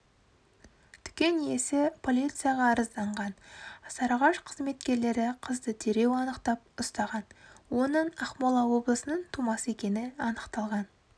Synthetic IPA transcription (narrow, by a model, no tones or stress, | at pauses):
t̪ʰʏ̥kʲe̞nje̞sɪpʰo̞lʲˠijt̪sɨjaʁɑːɾəzd̪ɑɴʁɑnsɑɾɑʁɑʃqʰəzme̞t̪kʲe̞ɾle̞ɾɪqʰəzd̪ət̪ʰe̞ɾe̞wɑnəqt̪ɑp̚ʊst̪ɑʁɑnwo̞nəɴɑχmolˠɑwo̞blˠəsənəɴt̪ʰumɑsəe̞kʲe̞nɪɑnəqt̪ɑlˠʁɑn